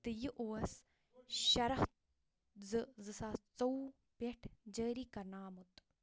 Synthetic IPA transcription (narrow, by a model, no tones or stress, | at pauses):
t̪ɨjiʔoːɐs | ʃɐɾɐht̪ | zɨzɨsaːt͡sɐw | peʈʰd͡ʒəːɾiːkɐnaːmut̪